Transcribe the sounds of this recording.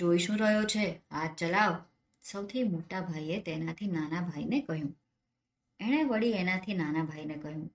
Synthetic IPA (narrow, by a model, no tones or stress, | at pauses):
d͡ʒoiʃũɾəɦjot͡ʃʰeat͡ʃəlaʋ | səwt̪ʰimoʈabʱajet̪enat̪ʰinanabʱainekəɦjũ | eɽ̃eʋəɭienat̪ʰinanabʱainekəɦjũ